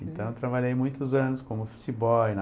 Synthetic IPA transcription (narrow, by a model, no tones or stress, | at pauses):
ẽnt̪ɐ̃w̃ewt̪ɾabaʎejmũj̃t̪ʊzɐ̃nʊskõmʊfu̥t͡ʃibɔwnɐ